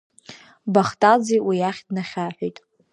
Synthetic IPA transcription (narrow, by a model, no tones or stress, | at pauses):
baχtʼad͡ziwijaχʲdnaχʲaħʷᶣojtʼ